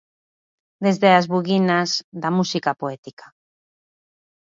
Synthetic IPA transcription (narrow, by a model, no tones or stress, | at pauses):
d̪ezðeazβuɣinazðamusikapoɛt̪ikḁ